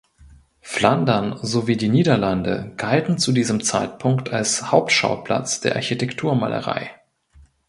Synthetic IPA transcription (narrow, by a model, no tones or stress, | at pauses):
flandɐnzoviːdiːniːdɐlandə̰ɡ̥altn̩t͡sudiːzəmt͡sa̰ɪtpʰʊŋktʰalshaʊptʃa̰ʊpl̥a̰t͡sd̥eːɐʔaɐçitʰɛktʰuːɐma̰ːlʔə̰ʁa̰ɪ